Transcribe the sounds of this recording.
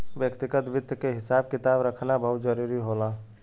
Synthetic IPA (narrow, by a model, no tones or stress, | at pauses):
ʋjəkt̪ɪɡət̪ʋɪd̪ʱjəkeɦɪsaːbkɪt̪aːbɾəkʰnabəɦʊt̪d͡ʒəɾuːɾiɦoːlaː